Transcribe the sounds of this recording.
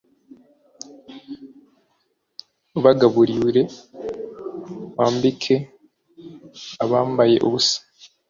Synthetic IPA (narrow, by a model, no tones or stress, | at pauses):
uβaɡaβuɾiɾe̞ | waːmbikʰe̞ | aβaːmbaje̞̰ʔuβusḁ